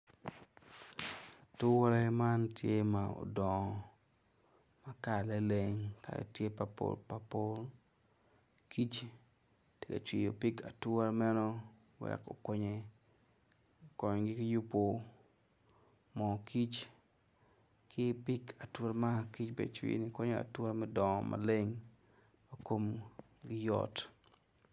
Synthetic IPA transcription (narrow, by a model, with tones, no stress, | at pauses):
tʊ˦ɾɛ˦ma˦ntʰje˦mao̰˨dɔ˨ | ma˦ka˨la˦leŋka̰˨ḛ˨tje˦papo̰lpa˨po˦l | ki˦t͡ʃ | te˨kḛ˨t͡ʃwi˨jo˨pi˦ka˨tʊ˦ɾmɛ˦no˦wɛ̰˨ko̰˨ko˦ɲe | kɔ˨ɲɡɪ˦kɪ˦ju˦po˨ | mɔ˨kʰi˦t͡ʃ | kʰɪ˦pɪ˦ka˨two˦ɾma˦ki˦t͡ʃbḛ˨d̚t͡ʃwḭ˦nikɔ˦ɲo˦a̰˨two˦ɾmɛ˦dɔ˨mʔa̰˨le˦ŋ | oko˦mɡɪ˦jɔ̰t